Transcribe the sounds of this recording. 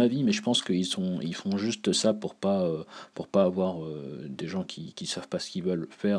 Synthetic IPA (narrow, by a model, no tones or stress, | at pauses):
avimɛʒəpɑ̃skəilsɔ̃ilfɔ̃ʒyst̪sapuʁpaøpuʁpaːvwaʁød̪eʒɑ̃kʲikʲisav̥pasə̥kʲilvœlfɛːʁ